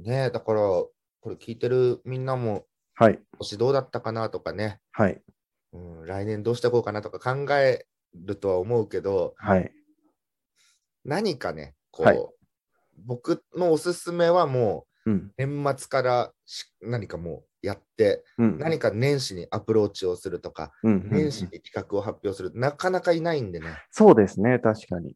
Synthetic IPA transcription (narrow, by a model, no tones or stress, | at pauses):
ne̞d̪akaɾa | ko̞ɾe̞kʲiːt̪e̞ɾɯ̟mʲĩnːamo̞ | haioɕid̪o̞ːd̪at̪ːakanat̪o̞kane̞hai | ɯ̟̃ːɾainẽ̞nd̪o̞ːɕi̥t̪eko̞ːkanat̪o̞kakãŋɡae̞ | ɾɯ̟t̪o̞βaomo̞ɯ̟ke̞d̪o̞hai | naɲ̟ikane̞̰ | kʰo̞̰ː | bo̞kɯ̟no̞ːsɨsɨme̞βamo̞ː | nẽ̞mːat͡sɨ̥kaɾa | ɕi̥naɲ̟ikamo̞̰ː | jat̪ːe̞ɯ̃naɲ̟ikanẽ̞ɰ̃ɕiɲ̟iʔapɯ̟ɾo̞ːt͡ɕio̞sɨɾɯ̟t̪o̞ka̰ɯ̟̃nẽ̞ɰ̃ɕiɲ̟ikʲi̥kakɯ̟o̞ɦapʲːjo̞ːsɨɾɯ̟t̪nakanakainaĩnd̪e̞neso̞ːd̪e̞sɨnet̪aɕi̥kaɲḭ